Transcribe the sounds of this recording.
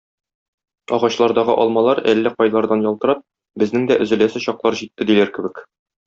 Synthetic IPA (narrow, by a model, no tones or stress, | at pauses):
ɒʁɑɕlˠɑɾd̪ɑʁɤ̰ʔɒlˠmɑlˠɑɾælːæqɒjlˠɑɾd̪ɑnjɒlˠt̪ɤ̆ɾɑp̚ | bɘ̆znɘŋd̪æʔɵ̆zɘ̆læsɘɕɒqlˠɑɾʑit̪ːɘd̪ilæɾkɘ̆bɘk